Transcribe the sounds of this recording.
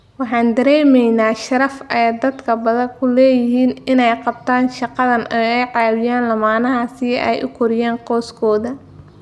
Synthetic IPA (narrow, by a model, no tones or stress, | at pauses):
wɑħɑːnd̪ɐɾɛːmɛjnaːʃɐɾɐfɛd̪ɐd̪kʰɐbɐðɐŋkʰʊlɛːjɪɦiːnɪnɛjqɑb̚t̪ʰaːnʃɑqɑðɐnʔɔɛjʕɑːwɪjaːnlɐmaːnɐɦɐsɪʔɛ̰jʔʊ̰kʰʊɾɪjaːnqɔːskʰɔːðɐ